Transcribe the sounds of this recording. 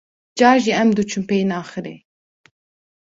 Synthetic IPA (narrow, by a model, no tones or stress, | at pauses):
d͡ʒɑːɾʒiɛmd̪ut͡ʃʰumpejnɑːxɨɾḛː